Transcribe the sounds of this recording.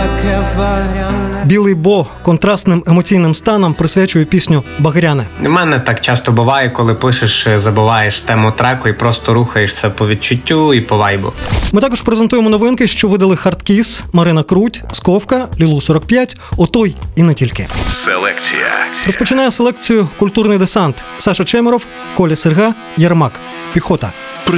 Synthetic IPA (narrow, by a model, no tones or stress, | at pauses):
kɛbɐɾbʲilˠɪjbɔkɔnt̪ɾɑst̪nɪmemɔt͡sʲijnɪmst̪ɑnɐmpɾɪsʲʋʲat͡ʃʊjʊpʲisʲnʲʊbɐɦɾʲanɪnɛmɛnɛt̪ɑkt͡ʃɑst̪ɔbʊʋɑjɛkɔlˠɪpɪʃɪʃzɐbɪʋɑjeʃt̪ɛmʊt̪ɾɛkʊipɾɔst̪ɔɾuxɐjeʃsʲɛpɔʋʲid̪̚t͡ʃʊtʲːuipɔʋɑjbʊ̰mɪt̪ɑkɔʃpɾezent̪ujemɔnɔʋɪnkɪʃt͡ʃɔʋɪd̪ɐlˠɪxɐrt̪kʲismɐɾɪnɐkɾutʲskɔwkɐlʲilˠusɔɾɔk̚pʲjatʲɔt̪ɔjinɛtʲilʲkɪselˠɛkt͡sʲḭjɐ̰ɾɔspɔt͡ʃɪnɑjɛselˠɛk̚t͡sʲijʊkʊlʲt̪urnɪjd̪esɑnt̪ | sɑʃɐt͡ʃɛmeɾɔw | kɔlʲɐserɣɛ | jɐrmɑk | pʲixɔt̪ɐ | p